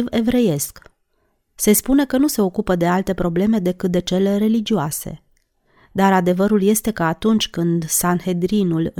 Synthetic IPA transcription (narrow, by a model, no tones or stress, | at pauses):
ve̞vɾe̞je̞sk | se̞spune̞kənuse̞o̞kupəd̪e̞alt̪e̞pɾo̞ble̞me̞d̪e̞kɨt̪̚d̪e̞t͡ʃe̞leɾe̞lid͡ʒioase̞̰ | d̪aɾad̪e̞vəɾulje̞st̪e̞kəat̪unt͡ʃʲkɨnd̪sanhe̞d̪ɾinul